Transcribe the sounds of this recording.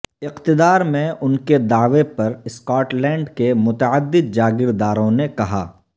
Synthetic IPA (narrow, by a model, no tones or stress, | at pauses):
ɪqt̪ɪd̪aːɾmẽʔʊnked̪aːʋepɐɾɪskɔːʈlɛ̃ːɳɖkemʊt̪əəd̪ːɪd̪̚d͡ʒaːɡɪɾd̪aːɾõnekɐɦa̰ː